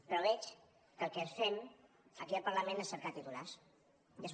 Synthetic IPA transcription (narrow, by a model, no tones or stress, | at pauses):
pɾoβɛt͡ʃ | kəlˠkɛsfɛm | əkiəlpəɾləmẽnəsːəɾkat̪it̪ulas | jəs